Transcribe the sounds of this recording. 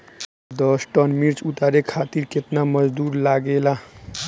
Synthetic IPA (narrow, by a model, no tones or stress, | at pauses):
d̪əsʈənmiɾt͡ʃut̪aɾekʰat̪iɾket̪naməd͡ʒd̪uːɾlaɡela